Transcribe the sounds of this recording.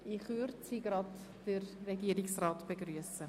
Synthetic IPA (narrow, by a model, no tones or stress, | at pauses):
ɪχvʏɾdsiɡ̥ɾɑd | d̥ərːɛɡiːəɾɪksrɑːtb̥eɡɾyəsə